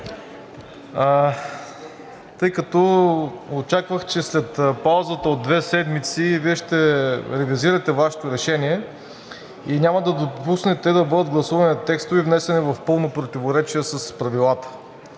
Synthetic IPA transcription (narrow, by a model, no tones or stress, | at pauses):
t̪ɤjkɐt̪ɔ | ot͡ʃakvəxt͡ʃɛslɛt̪pawˠzət̪əod̪ːvɛsɛd̪mit̪siviɛʃt̪ɛɾɛviziɾɐt̪ɛvaʃɛ̥t̪oɾɛʃɛniɛ | inʲamɐd̪ɐd̪opusnɛt̪ɛd̪ɐbɤd̪əd̪̚ɡlˠɐsuvɐninɐt̪ɛkst̪ʊvɛivnɛsɛnɛvɐfpɤlˠnopɾot̪ivoɾɛt͡ʃiɛsɐspɾɐvilˠat̪ə̥